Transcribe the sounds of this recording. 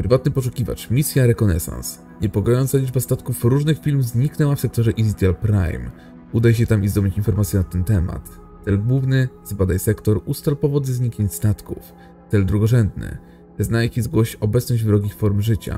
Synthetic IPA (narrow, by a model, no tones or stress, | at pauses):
pɾɘvat̪nɘpɔʂ̬ukʲiva̰t͡ʂmʲisʲjaɾɛkɔnɛ̰sã̰ns | ɲɛpɔɡɔjɔnt̪salʲid͡ʐbast̪at̪kufɾuʐnɘxfʲilmvzɲiknɛwafsɛk̚t̪ɔʐɛʔizt̪ʲjalpɾa̰jm | ud̪ajɕ̬ɛt̪amizd̪ɔmit͡ɕinfɔɾmat̪sʲjɛnat̪ɛnt̪ɛma̰t̪ː | ɛlɡwuvnɘzbad̪ajsɛkt̪ɔɾust̪alpɔvɔd̪zɛzɲikɲeɲst̪at̪kuf | t̪ɛld̪ɾuɡɔʐɛnd̪nɘ̰ | znajikʲizɡwɔɕɔbɛt̪snɔd͡ʑvɾɔɡʲifɔɾmʐɘt͡ɕa̰